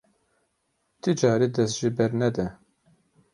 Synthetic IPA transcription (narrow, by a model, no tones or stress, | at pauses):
t̪ʰɨd͡ʒɑːɾiːd̪ɛst̪ʒibɛɾnɛd̪ɛ